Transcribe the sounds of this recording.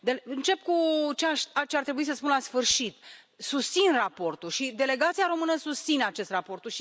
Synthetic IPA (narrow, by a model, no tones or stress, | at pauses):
d̪elɨnt͡ʃe̞pkut͡ʃeaʃat͡ʃeart̪ɾebuis̬əspunlasfɨrʃit̪ | sust̪sinrapo̞rt̪ulʃid̪e̞le̞ɡat̪siaɾo̞mɨnəsust̪sinat͡ʃe̞st̪rapo̞rt̪uʃi